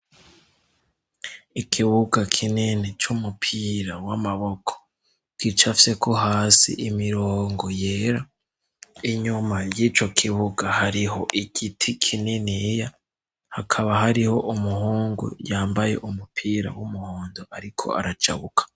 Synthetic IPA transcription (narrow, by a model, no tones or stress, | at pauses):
ikʰiβuɡakʰinenet͡ʃumupʰiːɾawamaβo̞kʰo̥ | kit͡ʃafise̞kʰo̞ɦaːsḭʔimiɾoːŋɡoje̞ːɾa | iɲumajiːt͡ʃo̞kʰiβuɡahaɾiɦo̞ʔiɡitʰikʰineneja | hakʰaβaɦaɾiho̞ʔumuɦoːŋɡṵjaːmbaje̞̰ʔumupʰiːɾa̰wumuhoːndoʔaɾikʰo̞̰a̰ɾat͡ʃa̰βukʰḁ